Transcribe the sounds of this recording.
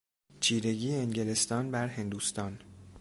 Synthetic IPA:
t͡ʃʰiːɾe̞ɟiːeːŋɟelest̪ɒːnbæɾɦe̞nd̪ust̪ɒːn

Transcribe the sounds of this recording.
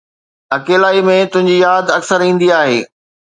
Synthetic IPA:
ɐkeːlaːimẽt̪ʊ̃ɦɪ̃ɲd͡ʑijaːd̪ɐksəɾĩːn̆d̪iaːɦḛː

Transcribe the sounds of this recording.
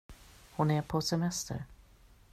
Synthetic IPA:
hʊnæɾpʰɔsɛmɛst̪ʰə̰ɾ

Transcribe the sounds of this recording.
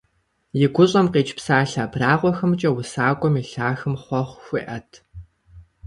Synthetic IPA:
jɪɡʷʊɕʼɐmqeːt͡ʃpsaːɬaːbraːʁʷɔxɐmt͡ʃʼɐwʊsaːkʷʼɔmiɬaːxɨmχʷɔχʷxʷiʔɐtʰ

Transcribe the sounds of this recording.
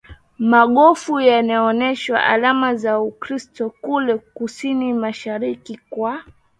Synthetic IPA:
maɠɔfujanaɔnɛʃwa̰ʔa̰lamazaukɾistɔkulɛkusinimaʃaɾikikwa

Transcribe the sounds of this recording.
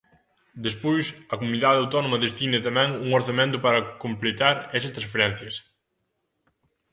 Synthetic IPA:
d̪espojsɐkomuniðaðawt̪ɔnomɐðest̪inet̪ɐmɛ̃ŋuŋoɾθɐmẽnt̪ʊpaɾɐkomplet̪aɾɛsɐst̪ɾɐ̃sfeɾɛn̟θjɐs

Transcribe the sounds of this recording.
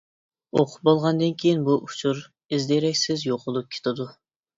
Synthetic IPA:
oqʰʊ̥p̚bolˠʁɑnd̪ɨnkʲʰejinbuʔu̥t͡ʃʰuɾ | izd̪eɾɛkʲsɪzjoqʰʊlˠup̚kʲʰe̥t̪ʰɪd̪u

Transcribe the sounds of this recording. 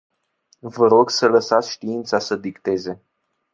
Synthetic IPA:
vəɾo̞ɡsələsat̪sʲʃt̪iint̪sasəd̪ikt̪e̞ze̞

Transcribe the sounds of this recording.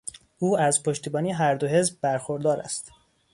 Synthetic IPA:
uːæzpʰo̞ʃt̪iːbɒːniːeɦæɾd̪o̞ɦe̞zb̚bæɾxo̞ɾd̪ɒːɾæ̰st̪

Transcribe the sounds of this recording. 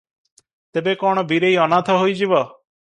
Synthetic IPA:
t̪ebekɔɽ̃ɔbʱiɾejɔnat̪ʰɔɦoid͡ʒiʋɔ

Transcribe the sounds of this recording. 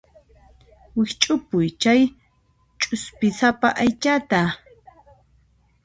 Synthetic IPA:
wɪht͡ʃʼʊpʊjt͡ʃaj | t͡ʃʼʊspɪsapaʔajt͡ʃat̪a

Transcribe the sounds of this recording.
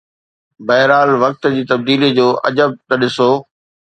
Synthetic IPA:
bɐɦɪɾaːlʋɐk̚t̪d͡ʑiːt̪ɐb̚d̪iːlid͡ʑoːʔɐ̰d͡ʑəb̚t̪ɐɗɪsoː

